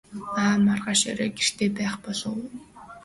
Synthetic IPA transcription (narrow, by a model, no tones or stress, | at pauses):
aːmarʁaʃœ̰ɾœːɡʲir̥t̪ʰeːpæːχpɔɮʊw